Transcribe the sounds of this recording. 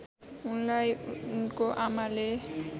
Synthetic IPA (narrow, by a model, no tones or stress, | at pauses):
unlajunkoʔamale